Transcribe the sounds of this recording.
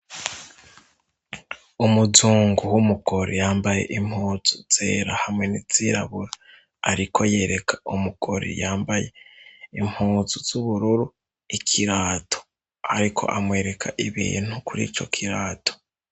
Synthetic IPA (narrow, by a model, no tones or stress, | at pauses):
umuzuːŋɡuwumuɡ̥o̞ɾijaːmbaje̞̰ʔim̥huːz̥uz̥eːɾahamŋe̞niz̥iɾaβuɾa | aɾikʰo̞je̞ːɾe̞kʰḁumuɡ̥o̞ɾḭjaːmbaje̞im̥huːzuz̥uβuɾuɾu | ikʰiɾaːtʰo̥ | aɾikʰo̞̰ʔamwe̞ːɾe̞kʰaʔiβḭːn̥hukʰuɾḭːt͡ʃo̞̰kʰiɾaːto̥